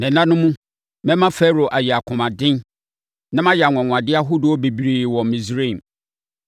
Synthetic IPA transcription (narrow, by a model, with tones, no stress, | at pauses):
nɛ̃˨nã˦nʊ̃˦mũ˦ | mɛ̃˦mã˦fɛ˦ɾo˨ʔa˨jɛ˨a˨kʰʊ̃˨mã˨dɪ̃˦n | nã˦mã˦jɛ˨a˨ŋʷ˨ɔ̃˨ŋ̃ʷ˨ã˨dɪ˦a˦ɦʊ˦dʊ˨ɔ˦be˨bɾi˨wɔ̃˨m˨mĩ˨sɾi˦˨m